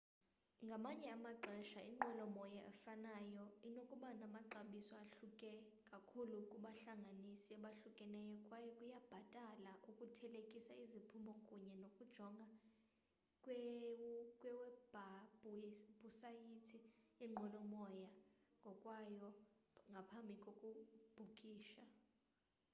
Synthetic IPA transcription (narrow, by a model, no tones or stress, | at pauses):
ŋɡʱamaɲɛamaǃʱɛʃaiŋ͡ǃʱɔlɔmɔjaʔɛ̰fanajɔinokʼuɓanamaǃaɓisɔaɬukʼɛ | kʼakʰulukʼuɓaɬaŋɡʱanisiaɓaɬukʼɛnɛjɔkʼwajɔkʼujab̥ʱatʼalaʔukʼutʰɛlekʼisaizipʰumbʱɔkʼuɲɛnokʼud̥ʒ̥ʱɔŋɡʱa | kʼwɛ | kʼwɛwɛb̥ʱab̥ʱuɛb̥ʱusajitʰijɛŋ͡ǃʱɔlɔmɔjaŋɡʱɔkʼwajɔŋɡʱapʰambʱikʼokʼub̥ʱukʼiːʃa